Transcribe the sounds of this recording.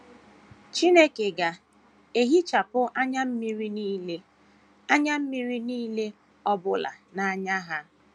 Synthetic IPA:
t͡ʃi˦ne˦ke˨ɡa˨ | e˦ɦi˦t͡ʃa˨pʊ˦ʔa˦ɲa˦m̩˦mi˦ɾi˦niː˦le˦ | a˦ɲa˦m̩˦mi˦ɾi˦niː˦le˦ | ɔ˦bʊ˦la̰˨na˨a˦ɲa˦ɦa˦

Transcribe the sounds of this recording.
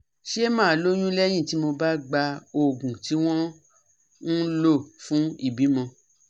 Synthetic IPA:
ʃe˦mãː˦˨lo˦j̃ũ˦lɛ˦j̃ĩ˦˨ti˨˦mo˧ba˦ɡ͡ba˧o˦˨ɡũ˨ti˨˦w̃ɔ̃˦ | n̩˦lo˦˨fũ˨˦i˦˨bi˨˦mɔ̃˧

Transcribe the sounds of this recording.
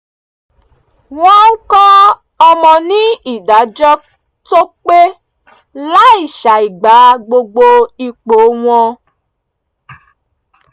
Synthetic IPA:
w̃ɔ̃˦ŋ̩˦kɔ˦ | ɔ˧mɔ̃˧nĩ˦i˦˨da˨˦d͡ʒɔ˦ | to˦k͡pe˦ | la˦i˨ʃa˨i˨ɡ͡ba˨˦ɡ͡bo˧ɡ͡bo˧i˨k͡po˨˦w̃ɔ̃˧

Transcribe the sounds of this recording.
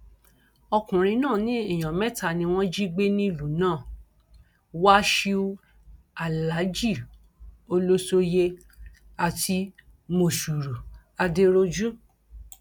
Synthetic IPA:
ɔ˧kũ˨ɾ̃ĩ˧nãː˦˨nĩ˦i˦˨j̃ã˨mɛ˦ta˦˨nĩ˧w̃ɔ̃˦d͡ʒi˦ɡ͡be˦nĩ˦lu˨nãː˦˨ | wa˦ʃi˧u˦˧ | a˨la˨˦d͡ʒi˦˨ | o˧lo˦so˧je˧ | a˨ti˧ | mo˧˨su˨ɾu˨ | a˧de˧ɾo˧d͡ʒu˦

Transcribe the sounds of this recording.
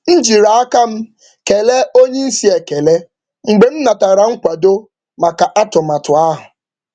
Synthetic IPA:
n̩˦d͡ʒi˨ɾa˨a˦ka˦m̩˦ | ke˨le˦o˦ɲe˦n̩˦si˦e˨ke˨le˦ | ŋ͡m̩˨ɡ͡be˨m̩˦na˨ta˨ɾa˨ŋ̩˦kʷa˨do˦ | ma˨ka˨ʔa˦tʊ˨ma˨tʊ˨a˦ɦʊ˨

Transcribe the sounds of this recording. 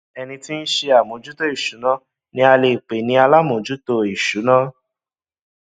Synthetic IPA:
ɛ˧nĩ˧ti˦n̩˦ʃe˧a˨mõ˨˦d͡ʒu˦to˦i˦˨ʃu˨˦nã˦ | nĩ˧˦a˧le˧˨k͡pe˨nĩ˧˦a˧la˦mõ˨d͡ʒu˦to˧i˨ʃu˨˦nã˦

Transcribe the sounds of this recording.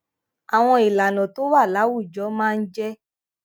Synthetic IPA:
a˨w̃ɔ̃˧i˨la˨nɔ̃˨to˦wa˦˨la˨˦wu˦˨d͡ʒɔ˨˦mãː˦˧n̩˦d͡ʒɛ˦

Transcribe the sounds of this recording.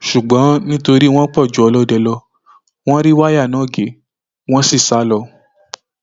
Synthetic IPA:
ʃu˨ɡ͡bɔ̃˨˦nĩ˦to˧ɾi˦w̃ɔ̃˦k͡pɔ˦˨d͡ʒu˨˦ɔ˧lɔ˦dɛ˧lɔ˧ | w̃ɔ̃˦ɾi˦wa˦ja˦˨nã˨˦˨ɡe˨˦ | w̃ɔ̃˦si˦˨sa˦lɔ˧

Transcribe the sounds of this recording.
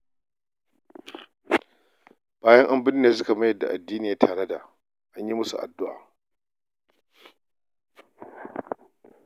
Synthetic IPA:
b̥aː˦jɐ˦ŋʔa˦mbɪ˦nː˦neː˨s̬ʊ˦ka˨mɐ˦jɐ˨dːa̰˨ʔa˨dːiː˦nɪ˨jaː˦tʰaː˨ɽe˦da˨ | ʔa˦ɲji˦mʊ˦sṵ˨ʔa̰˨dːʊ˦ʔa̰ː˨

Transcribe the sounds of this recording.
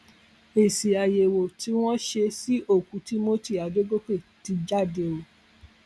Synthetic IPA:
e˨si˨a˨je˨wo˨ti˧˦w̃ɔ̃˦ʃe˧si˦ʔo˦˨kũ˨˦ti˦mo˦ti˦˨a˨do˦ɡo˦k͡pe˦˨ti˨˧d͡ʒa˦de˧o˨

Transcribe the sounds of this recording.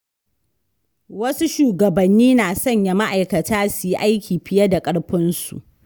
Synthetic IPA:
wɐ˦su˦ʃuː˨ɡɐ˨bɐ˨nːiː˦naː˨sɐ˦˨ɲja˨ma˦ʔa˨jkɐ˨tʰaː˦su˨ji˦ʔa˦jkʲiː˨ɸɪ˦jɐ˦da˨kʼɐ˦ɽɸɪ˦nsṵ˨ʔ

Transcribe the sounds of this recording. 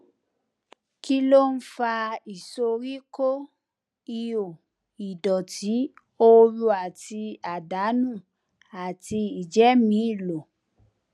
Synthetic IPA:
ki˦lo˦˨n̩˦fa˧i˨so˧ɾi˦ko˦ | i˧jo˨ | i˨dɔ˨tʰi˨˦ | o˦ɾu˧a˨ti˧a˨da˨˦nũ˦˨ | a˨ti˧i˨d͡ʒɛ˨˦mĩ˨˦i˦˨lo˨

